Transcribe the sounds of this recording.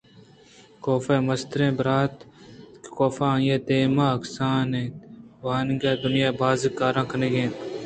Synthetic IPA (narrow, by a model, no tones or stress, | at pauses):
koːfeːməst̪ɾẽːbəɾaːt̪kkoːfãːjeːt̪eːmãːɐksãːnẽːʋaːnɡeːd̪ʊnjaːbaːzɪkːaːɾãːkəneːɡẽː